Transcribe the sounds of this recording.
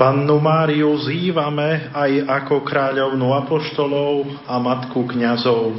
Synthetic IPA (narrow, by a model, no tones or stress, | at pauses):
panːumaːɾiuziːʋamɛajakɔkɾaːʎɔʊnuapɔʃt̪ɔlɔʊ | amat̪kukɲazɔʊ